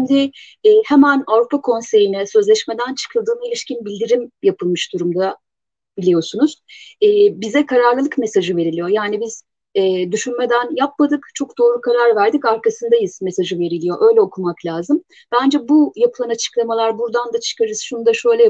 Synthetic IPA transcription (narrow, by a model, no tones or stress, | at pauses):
nd̪ɪː | hɛmænavɾupʰakʰo̞nse̞jinɛsø̞zlʲɛʃme̞d̪ænt͡ʃʰɯ̥kʰɯlˠd̪ɯːnailʲiʃcinbilʲd̪iɾimjapʰɯlˠmɯʃd̪uɾumd̪a | b̥ilʲijo̞sunuz̥ɛːbizɛkʰaɾaɾlˠɯlˠɯkmesaʒɯve̞ɾilʲijojaːnibiz̥ | ɛːd̪yʃynme̞d̪ænjap̚mad̪ɯkt͡ʃʰo̞k̚d̪̥o̞ːɾukʰaɾaɾvæɾd̪icaɾkʰasɯnd̪ajɯzme̞saʒɯve̞ɾilʲijo̞ʔø̞jlʲɛo̞kʰumaklʲaːzɯm | b̥ænd͡ʒɛbujapʰɯlˠanat͡ʃʰɯ̥klˠamalˠaɾbuɾd̪and̪at͡ʃʰɯ̥kʰaɾɯz̥ʃunud̪aʃø̞jlʲɛ